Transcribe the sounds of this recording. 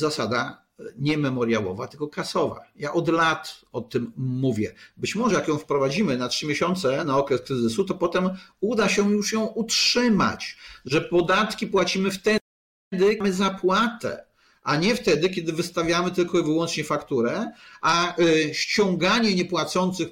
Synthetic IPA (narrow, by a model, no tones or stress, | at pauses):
zasad̪a | ɲɛmɛmɔɾjawɔ̰vat̪ɘlkɔkasɔva̰jaʔɔd̪lat̪ɔt̪ɘmːuvʲjɛbɘt͡ɕmɔʐɛjakjɔ̃w̃fpɾɔvad͡ʑimɘnatʂɘmʲjeɕɔnt̪sɛnaɔkɾɛskɾɘzɘsut̪ɔpɔt̪ɛmud̪aɕɛjuʂjɔ̃w̃utʂɘma̰t͡ɕʐɛpɔd̪at̪kʲipwat͡ɕimɘft̪ɛ | d̪ɘmɘzapwat̪ɛ̰ | ʔaɲɛft̪ɛd̪ɘkʲɛd̪ɘvɘst̪avʲjamɘt̪ɘlkɔivɘwɔnt͡ʂɲɛfakt̪uɾɛʔaɕt͡ɕɔ̃ŋɡaɲɛɲɛpwat̪sɔnt̪sɘx